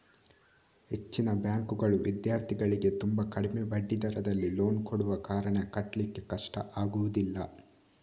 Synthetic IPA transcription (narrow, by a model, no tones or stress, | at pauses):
het͡ʃːinɐbjaːŋkuɡɐɭuʋid̪jaːɾt̪ʰiɡɐɭiɡe̞t̪umbɐkɐɽime̞bɐɖːid̪ɐɾɐd̪ɐlːilo̞ːnkoɽuʋɐkaːɾɐɳekɐʈlikːekɐʂʈɐ̰ʔaːɡuʋud̪ilːɐ̰